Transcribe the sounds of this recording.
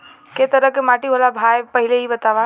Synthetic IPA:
ket̪əɾəkːemaːʈiɦolabʱajpəɦɪleɦibət̪aːʋa

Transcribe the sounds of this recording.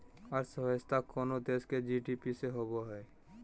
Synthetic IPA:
aɾsəɦəst̪akoːnod̪esked͡ʒiɖipiseɦoboɦɛː

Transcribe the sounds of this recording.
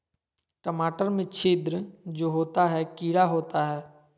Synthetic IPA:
ʈəmaːʈəɾmẽt͡ʃʰeːd̪ɾəd͡ʒoːɦoːt̪aɦɛkiːɽaɦoːt̪aɦɛː

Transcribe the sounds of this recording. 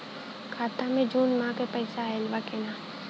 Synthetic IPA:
kʰaːt̪amẽd͡ʒuːnmãkepɛɪsaɦɛlʋakenaː

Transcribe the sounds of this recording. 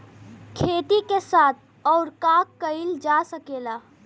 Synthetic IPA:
kʰeʈ̪ikesaːt̪ʰ | ɔʊɾkakːəild͡ʒasəkeːla

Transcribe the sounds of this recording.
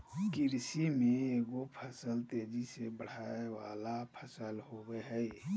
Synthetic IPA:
kɪɾsimẽeːɡopʰəsəlt̪eːd͡ʒisebəɽ̤aːewaːlapʰəsəlɦoweɦɛj

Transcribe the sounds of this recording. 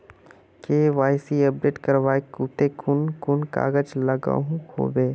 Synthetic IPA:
keːʋaːɪsiəp̚ɖeːʈkɐɾʋaːekuːʈekʊnkʊnka̰ːɡəd͡ʒləɡa̰ːɦũho̰ːbeː

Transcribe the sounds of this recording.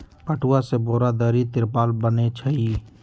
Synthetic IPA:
pəʈʰuwaseboːɾad̪əɾit̪ɪɾpaːlbənet͡ʃʰəɦi

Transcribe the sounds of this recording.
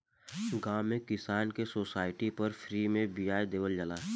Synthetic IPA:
ɡãːmẽkɪsaːnkesoːsaːɪʈipəɾfʰɾiːmẽbijaːjd̪eːʋəld͡ʒəlaː

